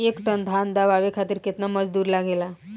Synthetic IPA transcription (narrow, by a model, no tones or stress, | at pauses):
ekʈənd̪ʱand̪aʋaʋekʰat̪iːɾket̪naməd͡zd̪uːɾlaɡela